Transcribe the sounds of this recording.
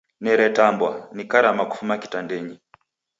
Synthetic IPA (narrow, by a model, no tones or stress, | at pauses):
nɛɾɛtambwanikaɾamaku̥fumaki̥tandɛɲi